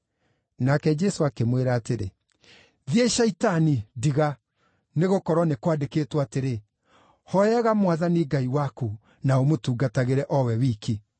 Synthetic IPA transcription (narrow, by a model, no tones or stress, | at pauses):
nakɛd͡ʒɛsoakemweɾaːteɾḛ | ðieʃaitanidiɣa | neɣokɔɾwɔnekwadekeːtwaːteɾe | hɔjɛɣamwaðaniɡaiwaku | naomotuːɡataɣeɾɛʔɔwɛwiːki